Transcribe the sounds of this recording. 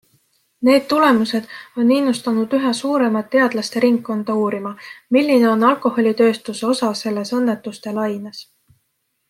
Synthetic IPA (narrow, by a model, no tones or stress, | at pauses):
ne̞ːd̪̥̚t̪ule̞muse̞d̪̥o̞nːinːust̪ɑnud̪yɦesuːɾe̞mɑt̪ːe̞ɑd̪̥lɑst̪e̞ɾiŋkːˑo̞nd̪̥ɑuːɾimɑmilʲːine̞o̞nːɑlkˑo̞ho̞lʲit̪ø̞ːst̪useo̞sɑse̞lːe̞sɤnːe̞t̪ːˑust̪e̞lɑjnes